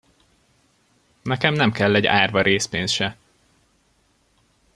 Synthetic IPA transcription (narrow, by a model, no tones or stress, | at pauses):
nɛkɛmnɛmkɛlːɛɟa̰ːrvɒɾʔeːspeːnsʃɛ